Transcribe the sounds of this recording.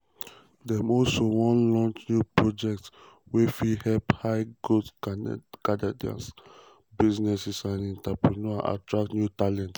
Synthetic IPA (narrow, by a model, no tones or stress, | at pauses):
dɛmɔlsowɔ̃nlɔ̃nt͡ʃnjupɹɔd͡ʒɛk̚t | wefihɛlphaɪɡot | kadɛdiã̰ns | biznɛsɛsãnĩntapɹinɔaʔa̰tɹak̚tnjutalɛ̃nt